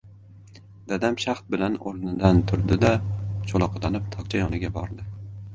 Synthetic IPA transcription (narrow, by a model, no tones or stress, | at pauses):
d̪ad̪amʃaχt̪̚bɪlano̰ɾnɪd̪ant̪ʰʊɾd̪ɪd̪at͡ʃʰolˠɒqʰd̪anɪp̚t̪ʰɒkt͡ʃʰajɒnɪɡʲabɒɾd̪ɪ